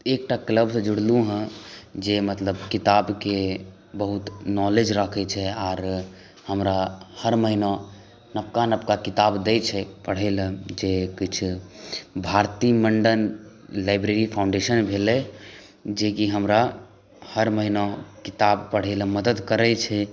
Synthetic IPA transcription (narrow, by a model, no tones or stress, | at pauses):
ek̚ʈakləbsəd͡ʒuɽ̤lũɦə̃d͡ʒemət̪ləbkit̪abke | bəɦut̪nɔled͡ʒɾəkʰɛt͡ʃʰɛaɾ | həmɾahəɾməɦinɔ̃ | nəp̚kanəpkakit̪abd̪ɛt͡ʃʰɛpəɽ̤ɛld͡ʒekit͡ʃʰ | bʱaɾt̪iməɳɖənlaɪbɾeɾipʰaʊ̃ɳɖeʃənbʱelɛ | d͡ʒekiɦəmɾa | həɾməɦinɔkit̪abpəɽ̤ɛlməd̪əd̪kəɾɛt͡ʃʰɛ